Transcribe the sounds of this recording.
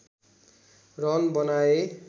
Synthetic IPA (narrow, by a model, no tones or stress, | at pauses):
rʌnbʌnae